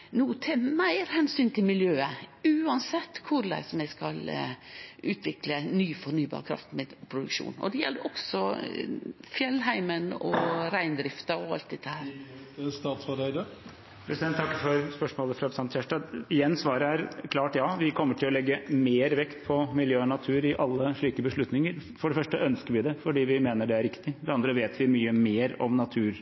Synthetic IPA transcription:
nuːt̪ʰɛmæɪɾhɛnsyːnt̪ʰɪlmɪljøːəʉːɑnsɛt̪ːkʰʊɾlæ̰ɪsɔmæɪskɑl | ʔʉːt̪ʰʋɪklənyːfɔɾnyːbɑ̰ːɾkʰɾɑ̰ft̪meːd̪pʰɾʊd̪ʉkʃṵːnɔ̰d̪ɛjɛ̰lːəɾʔɔɡ̥sɔ | fjɛlːɦæɪmənɔ̰ɾæɪnd̪ɾɪft̪ɑɔɑ̰lt̪̚d̪ɛt̪ʰːəhhæːɾ | st̪ɑːt̪sfɔɾeɪd̪ə | pʰɾɛsɪd̪ɛnt̪ʰːɑkːəfɔɾspœʂmoːləfɾɑsɑnt̪ʰçæʂʈɑɪjɛnːsʋɑːɾəæɾkʰlɑːʈjɑːʋɪkʰɔmːəʈʰɪlɔlɛɡːəmeːɾʋɛkt̪pʰɔmɪljøːɔnɑt̪ʰʉːɾɪʔɑlːəʂɭiːkəbəʂɭʉt̪nɪŋəɾfɔɖɛfœʂʈəʔœnskəɾʋɪd̪ɛfɔɖiːʋɪmeːnəɖɛæɾɪkt̪ɪfɔd̪ɛɑnd̪ɾəʋeːt̪ʰʋɪmyːəmeːɾɔmnɑt̪ʰʉːɾ

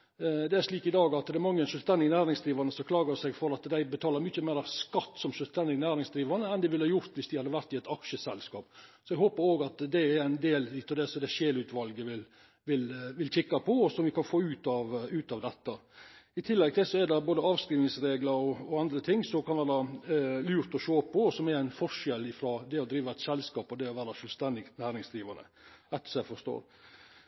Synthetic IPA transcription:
d̪ɛæɾʂɭiːkɪd̪ɑːɡɑt̪d̪ɛɛɾmɑŋːəɛnʂœlst̪ɛnd̪ɪɡnæːɾɪŋsd̪ɾiːʋɑɾnəsɔklɑːɡəsɛɡfɔɾɑt̪d̪æɪbət̪ʰɑːləɾmʏçəmeːɾɑʋskɑt̪ːsɔmʃœlst̪ɛnd̪ɪɡnæːɾɪŋsd̪ɾiːʋɑɾnəɛnd̪ɛʋɪlhɑːjʊɾt̪ʋɪsd̪ɪhɑd̪ːəʋæɾt̪ɪɛt̪ɑkʂəsɛlskɑ̰ːpsɔɛɡɦoːpəɾoːɡɑt̪d̪ɛæɾæɪnd̪eːlit̪ːɑd̪ɛsɔd̪ɛʃeːlʉːt̪ʋɑlɡəʋɪl | ʋɪlʋɪlçɪkːɑpʰɔɔsɔmʋɪkʰɑnfoːʉːt̪ɑʋʉːt̪ɑʋd̪ɛt̪ːɑɪt̪ʰɪlːɛɡ̚t̪ɛsɔɛd̪ɛboːd̪əɑːʋskɾiːʋnɪŋsɾeːɡləɾɔɔɑnd̪ɾət̪ʰɪŋːsɔkʰɑnʋæːɾɑlʉːɾt̪ɔʃoːpʰːɔsɔmɛɾæɪnfɔʂɛlɪfɾɑːd̪ɛɔd̪ɾiːʋɑɛt̪sɛlskɑːpɔd̪ɛɔʋæːɾɑʃøːlst̪ɛnd̪ɪɡnæːɾɪŋsd̪ɾiːʋɑnə̰ | ɛt̪ːə̥sɔæfɔʂt̪o̰ːɾ

